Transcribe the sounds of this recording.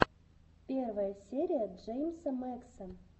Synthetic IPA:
pʲervəjəsʲeɾʲijəʐejmsəmaksən

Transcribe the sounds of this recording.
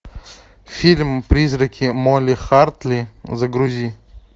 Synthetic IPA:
fʲilʲmpɾʲizrɐkʲʰimolʲɪxart̪lʲizɐɡɾʊzʲi

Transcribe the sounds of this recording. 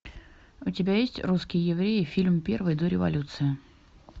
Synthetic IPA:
ʊtʲɪbʲajesʲtʲruskʲɪjəjɪvɾʲejɪfʲilʲmpʲe̞rvɨjd̪oɾʲɪvɐ̰lʲut̪sɨɪ

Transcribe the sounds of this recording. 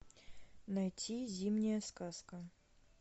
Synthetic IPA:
nɐjtʲizʲimnʲɪjəskaskə

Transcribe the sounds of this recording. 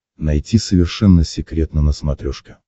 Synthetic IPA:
nɐjtʲisəvʲɪrʂɛnːəsʲɪkɾʲet̪nənəsmɐt̪ɾʲoʂkʲɪ

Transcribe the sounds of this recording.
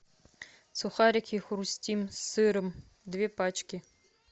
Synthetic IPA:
suxaɾʲɪkʲixʊɾusʲtʲimsɨɾɨm | d̪vʲepat͡ɕkʲɪ

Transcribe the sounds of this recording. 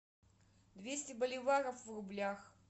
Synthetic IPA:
d̪vʲesʲtʲɪbɐlʲɪvaɾəfvrʊblʲax

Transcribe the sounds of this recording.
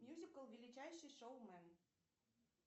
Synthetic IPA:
mʲjuzʲikəlˠvʲelʲit͡ɕæjʃɨjʃowmæn

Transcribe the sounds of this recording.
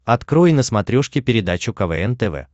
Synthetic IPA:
ɐt̪kɾojnəsmɐt̪ɾʲoʂkʲɪpʲɪɾʲɪd̪at͡ɕʊkɐvɛ̰ɛnt̪ɛvɛ̰

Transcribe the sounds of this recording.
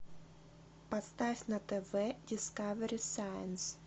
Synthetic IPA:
pɐst̪afʲnɐt̪ɛvɛdʲɪskavəɾʲɪsajə̰ns

